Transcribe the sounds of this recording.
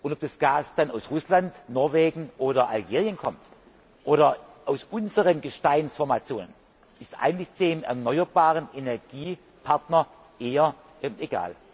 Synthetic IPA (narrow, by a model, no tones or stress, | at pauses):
ʔʊnɔp̚d̥asɡ̥aːsd̥anaʊsʁʊslantnɔɐveːɡŋ̩ʔoːɾɐʔa̰lɡeːʁjənkʰɔmt | ʔoːɾɐʔaʊsʔʊnzəʁənɡəʃtaɪnsfɔɐmat͡sjoːnən | ɪstʔa̰ɪɡŋ̩tlɪçd̥eːmɛ̰ɐnɔʏɐbaːʁənenɛɐɡ̥iː | pʰaɐtnɐ | ʔeːɐ | ɛmʔeɡa̰ːl